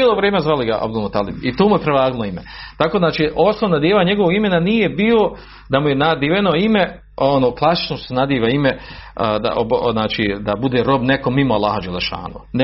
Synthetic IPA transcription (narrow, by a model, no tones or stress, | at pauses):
ilˠoʋɾjeːmezʋaliɡaʔa̰bd̪ulˠmot̪aːlibit̪oːmujepɾeʋaːɡilˠoimḛt̪akod̪naːt͡ʃiːʔosnonad̪jeːʋaːɲe̞ɡoʋoɡimenaniːje̞biːo | d̪amujenad̪iʋenoime | onoːklˠasi̥t͡ʃnosenad̪iːʋaimed̪a̰obznaːt͡ʃiːd̪abud̪eɾo̞bnekomimoalˠːa̰ːhad͡ʒalːeʃa̰ːnṵn